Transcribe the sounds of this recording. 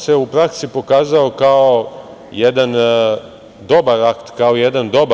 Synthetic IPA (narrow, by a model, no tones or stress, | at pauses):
se̞upɾaksipo̞kaːzaokao | jed̪an | d̪o̞baɾakt̪kaojed̪and̪o̞b